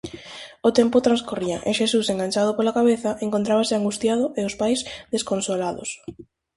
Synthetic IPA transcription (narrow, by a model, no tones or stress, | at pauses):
ot̪empʊt̪ɾãnskoria̰ʔeʃesuseŋɡaɲt͡ʃað̞opolakaβeθaʔeŋkont̪ɾaβasɪaŋɡust̪jaðʊʔeospajzðeskonsolaðʊ̰s